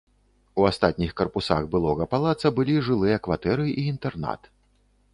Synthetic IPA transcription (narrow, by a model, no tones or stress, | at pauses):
uast̪at̪̚ʲnʲixkɐrpusa̰ɣbɨlˠɔɣɐpalˠat̪sɐbɨlʲiʐɨlˠɨjɐkvat̪ɛɾɨʔiːnt̪ɛrna̰t̪